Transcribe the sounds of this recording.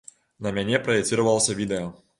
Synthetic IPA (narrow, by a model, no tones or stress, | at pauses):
nɐmʲanʲɛpɾɐjɛkt͡s̪ʲiɾɐvɐlˠəsʲɐvʲid̪ɛjɔ